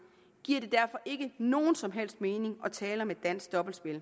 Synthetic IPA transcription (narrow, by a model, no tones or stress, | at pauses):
ɡ̥iɐ̰ɾ̥e̝d̥æɐfɒ̽ʔe̝ɡ̥əno̝ːn̩sɒ̽mɦel̰sd̥̚me̝ːne̝ŋɒ̽t͡sʰɛːlɐmed̥æn̰sɡ̥d̥ɒ̽b̥l̩sb̥e̝l